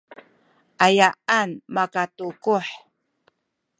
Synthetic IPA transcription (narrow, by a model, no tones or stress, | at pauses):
ʔajaʔanmakatukuħ